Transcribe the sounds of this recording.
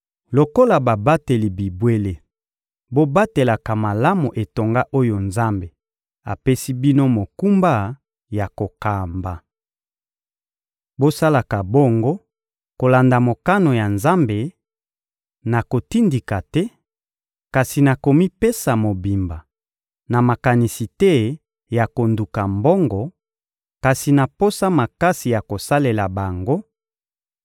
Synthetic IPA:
lo˨ko˦la˨ba˨ba˦te˨li˨bi˨bwe˦le˦ | bo˦ba˦te˨la˨ka˨ma˨la˦mo˨ʔe˨to˨ŋɡa˦ʔo˦jo˨nza˦mbe˨ | a˨pe˦si˦bi˦no˦mo˨ku˦mba˦ | ja˨ko˨ka˨mba˨ | bo˦sa˦la˨ka˨bo˦ŋɡo˦ | ko˨la˨nda˨mo˨ka˦no˨ja˨nza˦mbe˨ | na˨ko˨ti˦ndi˨ka˨tɛ˦ | ka˨si˨na˨ko˨mi˦pe˦sa˨mo˨bi˨mba˨ | na˨ma˨ka˨ni˨si˨tɛ˦ | ja˨ko˨ndu˨ka˨mbɔ˦ŋɡɔ˨ | ka˨si˨na˨po˦sa˦ma˨ka˦si˨ja˨ko˨sa˦le˨la˨ba˨ŋɡo˦

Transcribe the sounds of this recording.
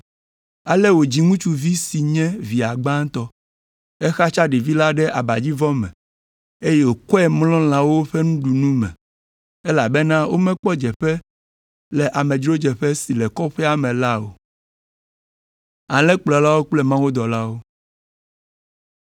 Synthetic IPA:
a˨lɛ˦wo˨d͡ʑi˦ŋũ˦t͡ʃu˦vi˦si˨ɲɛ̃˦vi˨a˨ɡ͡bã˦t̪ɔ˦ | ɛ˦xa˦t͡ʃa˦ɖi˨vi˦la˦ɖɛ˦ʔa˨ba˨d͡ʑi˦vɔ˦mɛ̰̃˨ | e˦je˦wo˨kɔ˦ɛ˦mlɔ̃˦l̃ã˨wo˦o˦ɸɛ˦nũ˦ɖu˨nũ˦mɛ̰̃˨ | ɛ˦la˨bɛ˦nã˦wo˦mɛ̃˦k͡pɔ˦d͡ʒɛ˨ɸɛ˦ | lɛ˨ʔa˨mɛ̃˨d͡ʒɾo˦d͡ʒɛ˨ɸɛ˦si˨lɛ˨kɔ˦ɸɛ˦a˦mɛ̃˨la˦wo̰˨ | a˨lɛ̃˦k͡plɔ˨la˦wo˦k͡plɛ˦mã˦wo˦d̪ɔ˨la˦wo˦

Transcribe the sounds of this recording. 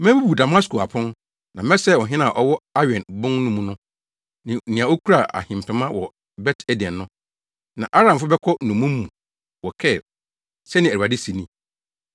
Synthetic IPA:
mæ̃˦bu˦bu˨da˨ma˦sko˨a̰˨pʰʊ̃˦n | nã˨mɛ˦sɛ˦˨wɔ˨ɦɪ̃˦nã˦˨ʔɔ˦wɔ˦a˦ɥɛ̃˨nbʊ̃˦ŋnʊ̃˦mũ˨nʊ̃˦ | nɪ̃˨nĩ˨ã˨o˦kʰu˦ɾa˨ʔa̰˨hɪ̃˨m˨pʰɪ̃˨mã˦wɔ˨ | bɛ˦tʰæ˦di˨ɛ̃˨nːʊ̃˦ | nã˨ʔa˦ɾã˨mfʊ˦bɛ˦kʰɔ˦nʊ̃˨mũ˦m˦mːũ˨ | wɔ˨kʰɛ˦˨ | sɛ˦nɪ̃˨æ˨u˨a˨dɪ˦si˨nĩ˦˨

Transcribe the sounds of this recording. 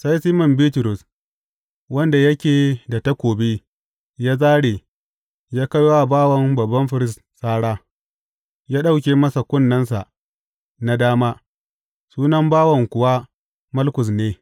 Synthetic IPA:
sa˦jsiː˦mɔ˨mbiː˦tʊ˨ɾʊ˨s | wɐ˦nda˨jɐ˦kʲeː˨da˨ta˦kʷoː˨bi˦ | jaː˦zaː˦ɽeː˨ | jaː˦ka˦jwa˦a˨baː˦wɐ˨mbɐ˨bːɐ˦mɸɪ˨ɾɪ˦s | saː˦ɽaː˦ | jaː˦ɗa˦wk̬ʲeː˨mɐ˦sa˨kʷʊ˦nːɐ˦nsa˨ʔ | na˨daː˦maː˦ | suː˦nɐ˦mbaː˦wɐ˨ŋkʷʊ˨wa˦ | mɐ˦lkʷʊ˨sneː˦

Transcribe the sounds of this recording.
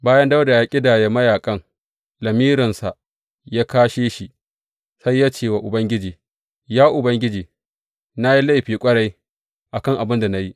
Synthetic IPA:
baː˦jɐ˦nda˦wda˨jaː˦kʲʼɪ˦daː˨je˦mɐ˦jaː˨kʼɐ˦ŋ | lɐ˨miː˦ɾɪ˨nsa˨ | jaː˦kaː˦ʃeː˦ʃi˨ʔ | sa˦jːaː˦t͡ʃeː˦˨wa˨ʔʊ˨bɐ˦ŋɡʲɪ˦d͡ʒiː˨ | jaː˦ʔʊ˨bɐ˦ŋɡʲɪ˦d͡ʒiː˨ | na˦ji˦la˦jɸiː˨kʷʼɐ˦ɽa˦j | ʔa˨kɐ˦˨ŋʔa˨bɪ˦nda˨na˦ji˦ʔ

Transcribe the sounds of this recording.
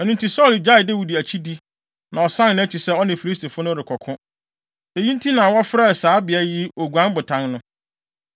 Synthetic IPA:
æ˨nũ˦ntʰi˨sɔ˦˨ld͡ʑa˦ɪ˨dæ˦wi˨di˨æ˨t͡ɕʰi˦di˦ | nã˨ɔ˨sã˦nnʊ̃˦æ˦t͡ɕʰi˨sɛ˦ɔ˦nɪ̃˨fi˨li˦s̬tʰi˨fʊ˦nʊ̃˦ɾɪ˨kʰɔ˨kʰʊ̃˦ | e˨jĩ˦n˦tʰi˦nã˨wɔ˦fɾɛ˦ɛ˨saː˨˦bɪ˨æ˦ji˦o˨ɡu˨ã˦n˦bʊ˨tʰã˦nnʊ̃˦

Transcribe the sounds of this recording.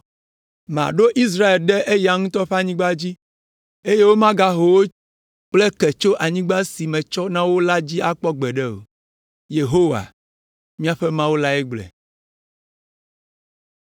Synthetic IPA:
mã̰˨ɖo˦ʔi˦s̬ɾa˦e˨lɖɛ˦ʔe˦ja˨ŋũ˦t̪ɔ˦ɸe˦a˦ɲĩ˦ɡ͡ba˦d͡ʑi˦ | e˦je˦wo˦mã˦ɡa˦ɦo˨wo˦ | k͡ple˦kɛ˨t͡ʃo˦ʔa˨ɲĩ˦ɡ͡ba˦si˨mɛ̃˨t͡ʃɔ˦nã˦wo˦la˦d͡ʑi˦a˦k͡pɔ˦ɡ͡bɛ˨ɖɛ˦o̰˨ | je˨ɦo˦wa̰˨ | mĩ˦a˨ɸɛ˦mã˦wo˦la˦ɛ˦ɡ͡blɛ̰˨

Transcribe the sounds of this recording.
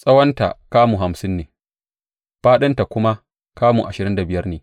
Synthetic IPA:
sʼɐ˦wɐ˦nta̰˨kaː˦muː˨ɦa˨msɪ˦nːeː˨ | ɸaː˦ɗɐ˦nta˨kʷʊ˦ma˦ | kaː˦mṵ˨ʔa˨ʃɪ˨ɾɪ˦nda˨bɪ˨jɐ˦rneː˨

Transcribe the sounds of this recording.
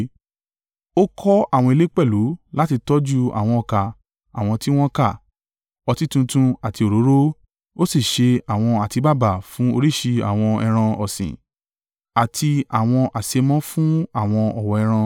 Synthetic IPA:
o˦kʰɔ˦a˦˨wɔ̃˧e˧le˦k͡pɛ˦˨lu˨˦la˦ti˧tɔ˦d͡ʒu˦a̰˨w̃ɔ̃˧ɔ˧˨ka˨ | a̰˨w̃ɔ̃˧ti˦w̃ɔ̃˦ka˦˨ | ɔ˧ti˦tũ˧tũ˧a˨ti˧o˨ɾo˨˦ɾo˦ | o˦si˦˨ʃe˧a˨w̃ɔ̃˧a˨ti˧ba˦˨ba˨fũ˦o˧ɾi˦˨ʃi˧a̰˨w̃ɔ̃˧ɛ˧ɾ̃ã˧ɔ˨sḭ̃˨ | a˨tʰi˧a˨w̃ɔ̃˧ʔa˨se˨˧mɔ̃˦fũ˦a˦˨w̃ɔ̃˧ɔ˨wɔ˨ɛ˧ɾ̃ã˧

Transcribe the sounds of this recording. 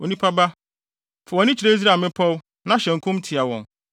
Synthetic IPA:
o˨nĩ˦pʰa˦ba˦ | fʊ˨wɔ˨nɪ̃˦t͡ɕʰi˨ɾe˦i˦s̬ɾa˨mɪ̃˦pʰɔ˦w | nã˦ɕɛ̃˨ŋ̩˨kʰʊ̃˦m˦tʰi˨a˨wɔ̰̃˨n

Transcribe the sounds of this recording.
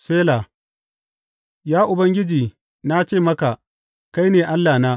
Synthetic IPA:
seː˦la˨ | jaː˦ʔʊ˨bɐ˦ŋɡʲɪ˦d͡ʒiː˨ | na˦t͡ʃeː˦˨mɐ˦ka˨ | ka˦jneː˨ʔa˦lːaː˨naː˦

